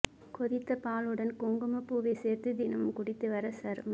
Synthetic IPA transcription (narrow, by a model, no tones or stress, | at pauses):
kɔðɪt̪ːɐpaːlɯɽɐnkoːŋɡɯmɐpːuːʋɐseːɾt̪ɯd̪ɪnɐmɯmkʊɽɪt̪ːɯʋɐɾɐsɐɾm